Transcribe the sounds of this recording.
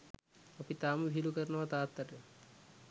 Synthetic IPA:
opit̪aːmbʱilukəɾnɐʋat̪aːt̪ːaʈe

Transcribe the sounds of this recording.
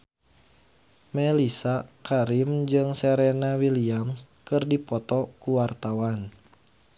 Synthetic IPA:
mɛlisakaɾimd͡ʒɨŋsɛɾɛnawiliam | kɨrdipɔt̪ɔkuwart̪awan

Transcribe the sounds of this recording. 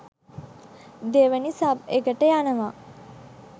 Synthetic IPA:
d̪eʋənisabeɡəʈəjanəʋa

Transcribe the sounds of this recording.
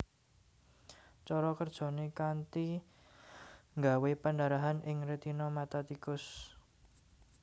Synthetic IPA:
t͡ʃɔɾɔkərd̥ʒ̥ɔ̤nekant̪i | ŋɡawepəndaɾaɦanʔɪŋɾet̪inɔmat̪at̪ikʊs

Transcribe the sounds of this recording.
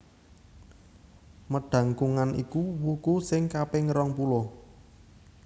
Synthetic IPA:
məɖ̥ä̤ŋkuŋanʔḭkuwukusɪŋkapɪŋɾɔŋpulɔ

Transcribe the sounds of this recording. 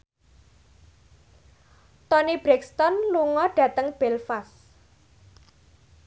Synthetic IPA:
t̪ɔnib̥ɾɛkst̪ɔnluŋɔɖ̥ä̤t̪əŋb̥ɛlfas

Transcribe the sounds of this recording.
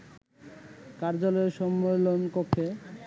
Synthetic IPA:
kaɾd͡ʑalɔeɾʃɔmːelonkopʰe

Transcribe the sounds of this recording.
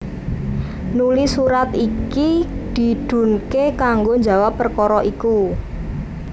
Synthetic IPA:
nulisuɾat̪ikid̪̥i̤d̪̥ṳnkekaŋɡoɲd͡ʒa̤wapːərkɔɾɔʔiku

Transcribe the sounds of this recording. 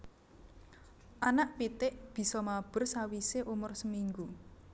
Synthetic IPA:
ʔanaʔpit̪ɪʔb̥i̤sɔmab̥ʊ̤rsawiseʔumʊrsəmiŋɡu

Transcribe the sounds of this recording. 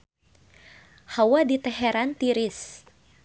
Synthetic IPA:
hawadit̪ɛɦɛɾant̪iɾɪs

